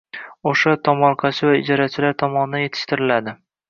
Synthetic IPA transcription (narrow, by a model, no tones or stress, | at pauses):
oʃat̪ʰɒmɒɾqʰɑt͡ʃʰɪvaɪd͡ʒɒɾat͡ʃʰɪlaɾt̪ʰɒmɒnɪd̪anje̞t̪ʰɪ̥ʃt̪ɪɾɪlad̪ɪ